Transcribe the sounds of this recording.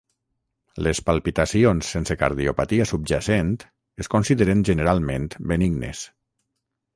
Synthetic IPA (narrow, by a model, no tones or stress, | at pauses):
lespalˠpit̪asionsːenseka̰ɾðiopat̪iasub̚d͡ʒasent̪ | eskonsiðeɾenʒeneɾalˠmẽnt̪beniɡnḛs